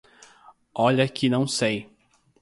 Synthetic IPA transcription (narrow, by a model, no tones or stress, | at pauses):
ɔʎɐkʰɪnɐ̃w̃sej